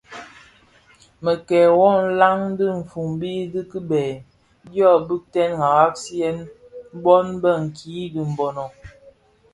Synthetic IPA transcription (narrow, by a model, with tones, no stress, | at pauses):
mə˨kɛː˨wɔ˦n̩˦la˦ŋ˦dɨ˦ɱ̩˨fu˨ŋbi˦di˦ki˦bɛː˨ | djɔ˦˨bɨ˦k̚tɛ˦nŋa˨ɣa˦k̚si˦ɛ˦n˦ | bɔ˦nbə˦ŋ̩˨ki˨˦di˨m̩˨bɔ˨nɔ˨